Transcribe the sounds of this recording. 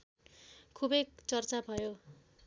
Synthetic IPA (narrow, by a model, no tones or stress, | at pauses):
kʰubekt͡sʌrt͡sabʱʌjo